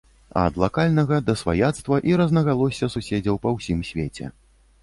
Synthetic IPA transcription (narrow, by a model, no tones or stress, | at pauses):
ɐ̰ɐd̪lˠakalʲnɐɣɐd̪ɐsva̰jat̪st̪vɐʔiɾɐznɐɣalˠɔsʲɐsusʲed͡zʲɐwpɐwsʲimsʲvʲet͡sʲɛ̰